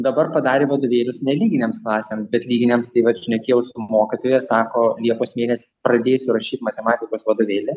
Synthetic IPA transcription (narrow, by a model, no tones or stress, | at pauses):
d̪ɐbɐrpɐd̪ɑːɾʲeːʋɐd̪oʋʲeːlʲʊsnʲɛlʲiːɡʲɪnʲeːmsklˠɑːsʲeːmsbʲɛt̪lʲiːɡʲɪnʲemst̪ɐɪʋɐt̪ʃʲnʲɛkʲeːjɛʊsʊmoːkʲɪt̪oːjɛsɑːkoːlʲiɛpoːsmʲeːnʲɛsʲɪ̥pɾɐd̪ʲeːjsʲʊɾɐʃʲiːt̪mɐt̪ʲɛmɑːt̪ʲɪkoːsʋɐd̪oːʋʲeːlʲɪ